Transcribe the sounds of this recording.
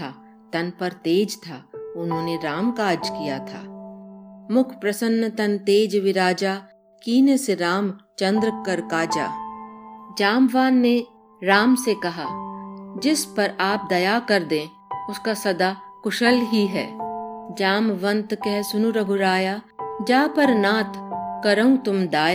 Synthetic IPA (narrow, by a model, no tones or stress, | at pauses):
a | t̪ɐnpɐɾt̪eːd͡ʒt̪ʰaːʊnɦõːneɾaːmkaːd͡ʒkijat̪ʰa̰ː | mʊkʰpɾɐsənːət̪ɐnt̪eːd͡ʒʋɪɾaːd͡ʒaː | kiːneseɾaːmt͡ʃɐ̃nd̪ɾəkɐɾkaːd͡ʒa̰ː | d͡ʒaːmʋaːnːe | ɾaːmsekɐɦaːd͡ʒɪspɐɾaːp̚d̪ɐjakɐɾd̪ẽː | ʊskasɐd̪akʊʃəlɦiɦɛ̰ːd͡ʒaːmʋə̃nt̪kɛɦsʊnuɾɐɡʱʊɾaːjaːd͡ʒaːpɐɾnaːt̪kɐɾəũt̪ʊmd̪aːja